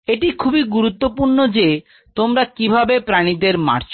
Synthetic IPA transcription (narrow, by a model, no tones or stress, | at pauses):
eʈikʰubiɡuɾut̪ːopuɾnod͡ʑe | t̪omɾakibʱabepɾaɽ̃id̪eɾma̰ɾt͡ɕ